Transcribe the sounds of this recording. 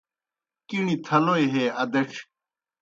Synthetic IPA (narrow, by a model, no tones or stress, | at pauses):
kiɳĩt̪ʰɐloeɦeɐd̪eʈ͡ʂʰ